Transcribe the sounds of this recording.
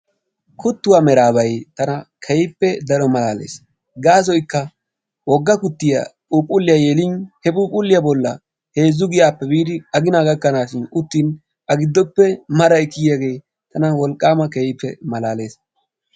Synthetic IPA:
kʊt̪ːʊwaːmɛɾaːbɐjt̪ɐnɐkʰɛjpːɛd̪ɐɾɔmɐlaːlḛːs | ɡaːsɔjkːɐ | wɔɡːɐkʊt̪ːɪjɐ̰pʼuːpʼʊlːɪjɐjeːlɪnhɛbuːpʼʊlːɪjabɔlːɐ | he̞ːzːʊɡɪjaːpːɛbiːd̪ɪɐɡɪnaːɡɐkːɐnaːʃɪnʊt̪ːiːn | ɐɡɪd̪ːɔpːɛmɐɾɐɪkːɪjjaɡe̞j | t̪ɐnɐwɔlkʼːaːmɐkɛjɪpːɛ̰mɐlaːle̞ːs

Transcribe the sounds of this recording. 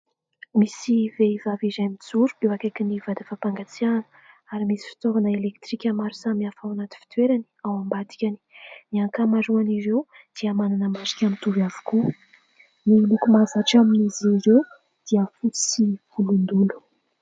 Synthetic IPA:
misiveivavizamit͡suɾuewakakinivad̪afapaŋɡat͡sianə̥ | aɾimisi̥fi̥t̪ovanəelekt̪ɾikʲəmaɾusamiafawanat̪i̥fi̥t̪weɾani̥awambat̪i̥kʲani̥niaŋkamaɾuaniɾew | d̪̥iamananəmazi̥kʲamint̪uvjavu̥ku | nilukumazaʈ͡ʂaminiziɾew | d̪̥iəfut͡si̥siv̥ulund̪ulu̥

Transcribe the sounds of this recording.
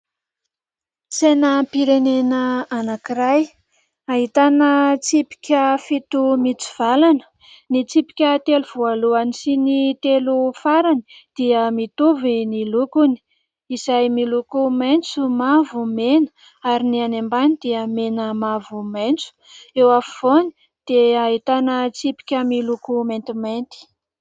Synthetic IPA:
t͡senəpiɾenenəanakiɾaj | aɦit̪anət͡sipi̥kʲəfit̪umit͡si̥v̥alanə̥ | nit͡sipi̥kʲət̪eluv̥ualuanisinit̪elufaɾani̥d̪̥iəmit̪uvinilukuni̥ | izajmilukumajnt͡sumavumenə̥ | aɾinianembanid̪̥iəmenəmavumajnt͡su̥ | ewafuv̥oni | d̪̥eait̪anət͡sipi̥kʲəmilukument̪imant̪i̥

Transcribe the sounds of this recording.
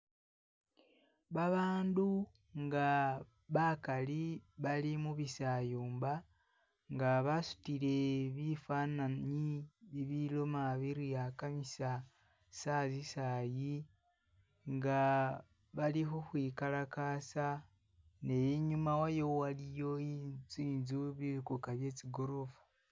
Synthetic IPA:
βaβaːndu | ŋɡa | βakaliβalimuβisaːjuːmba | ŋɡaβasu̥tiɾeβifaːnanɲiβiβilomaβiɾijakamisa | sazisaːji | ŋɡa | βaliɦoxwiːkalakaːsa | nejeɲumawajowalijoit͡siːnzuβiɾikukaβje̞t͡ʃiɡo̞ɾovu̥

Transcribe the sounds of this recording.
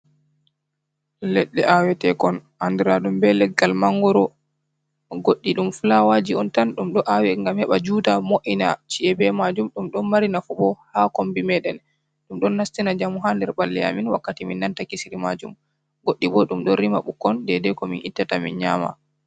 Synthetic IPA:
lɛɗːɛʔawɛtɛkɔn | andiɾaɗumbɛlɛɡːalmaŋɡɔɾɔ | ɡoɗːiɗumfulawad͡ʒiɔntanɗumɗɔʔawɛŋɡamhɛɓad͡ʒudamoʔina̰t͡ʃiɛbɛmad͡ʒumɗumɗɔnmaɾinafuɓɔhakombimɛɗɛn | ɗumɗɔnːastinad͡ʒamuɦandɛɾɓalːɛa̰minwakːatiminːantakisiɾimad͡ʒum | ɡoɗːiɓɔɗumɗɔɾimaɓukːɔndɛdɛkɔminʔitːatamḭnɲa̰ma̰

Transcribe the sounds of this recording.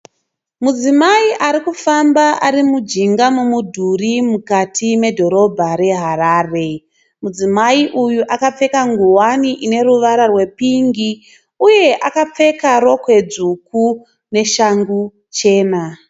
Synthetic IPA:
mud͡zimaiʔaɾikufambaʔaɾimud͡ʒiŋɡamumudʱurimukatʰime̞dʱo̞ɾo̞bʱaɾe̞ɦaraːre̞ | mud͡zimaiʔujuʔakap͡fe̞kaŋɡuwaniʔine̞ruʋaɾarwe̞piŋɡi | uje̞ʔakap͡fe̞kaɾo̞kwe̞d͡zuku | ne̞ʃaŋɡu | t͡ʃe̞ːna

